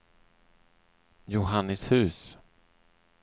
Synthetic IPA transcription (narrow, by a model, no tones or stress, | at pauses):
jʊɦanːəshʉ̟ːs